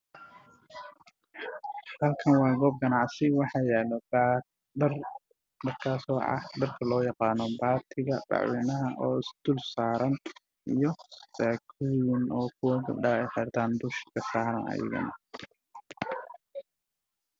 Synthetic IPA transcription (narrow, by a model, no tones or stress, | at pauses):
hɐlkʰɐnwɑːɡɔːb̚ɡɐnɑʕsɪwɑħɑːjɛːlɐb | r | ɖɐrkʰaːsɔːʔɑ̰ɖɐrkʰɐlɔːjɑqɑːnɔbaːt̪ʰɪɣɐbɑ̰ʕwɛːnɐɦɐʔɔːɪsd̪̥ʊlsaːɾɐn | ijɔsaːkʰuːjɪnɔːkʰʊwɐɡɐ̰bɖɐɛjħɪɾt̪ʰaːnd̪ʊʃkʰɐsaːɾɐnɐ̰jɪ̰ɣɐ̰nɐ̰